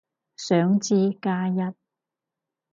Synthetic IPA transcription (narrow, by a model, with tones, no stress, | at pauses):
sœː˨˥ŋt͡siː˧kaː˧jɐ˧t̚